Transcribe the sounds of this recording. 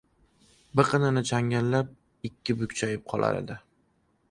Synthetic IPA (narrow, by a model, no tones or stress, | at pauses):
bɨqʰɨnɪnɪt͡ʃʰaŋʲanlːap̚ | ɪkʲʰːɪbʊkʲt͡ʃʰajɪp̚qʰɒlˠa̰ɾḛd̪ɪ